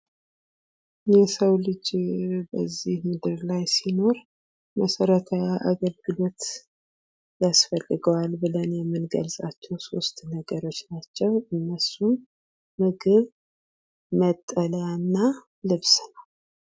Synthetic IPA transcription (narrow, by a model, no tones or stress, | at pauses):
jɛsəwlɨd͡ʒbə̰zːihmɨd̪ɨɾlajsino̞ɾ | məsəɾət̪ʰajaʔa̰ɡəlɡɨlo̞t̪ | jasfəlːɨɡəwalbɨlənjɛmːɨnɡə̰lsʼat͡ʃːɛwso̞st̪nəɡəɾo̞t͡ʃːnat͡ʃːɛwɨnːəsun | mɨɡɨβ | mət̪ʼːələjanːa | lɨβsnəw